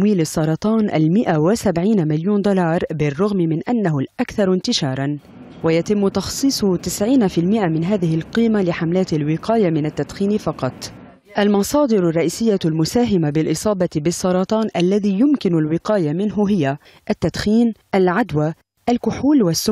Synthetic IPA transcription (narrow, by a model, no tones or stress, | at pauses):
wiːlɪsˤːɑɾˤɑt̪ˤɑːnʔa̰lmɪʔawɪsabʕiːnamɪljuːnd̪ʊlɑːɾˤbɪrˤːʊɣmɪmɪnʔanːaɦʊlʔakθɑɾˤɪnt̪ɪʃɑːɾˤɑn | wajat̪ɪmːʊt̪ɑxsˤiːsˤʊt̪ɪsʕiːnafɪlmɪʔamɪnɦaːðɪhɪlqiːmalɪħamlaːt̪ɪlwɪqʰɑːjamɪnat̪ːad̪xiːnɪfɑqɑt̪ˤ | ʔalmɑsˤɑːd̪ɨɾʊrˤːɑʔiːsɪjːalmʊsaːɦɪmabɪlʔɪsˤɑːbɑt̪ɪbɪsˤːɑɾˤɑt̪ˤɑːnʔalːaðiːjʊmkɪnʊlwɪqɑːjamɪnɦʊɦɪja | ʔat̪ːad̪̥xiːnʔalʕad̪wa | ʔalkʊħuːlwasːʊ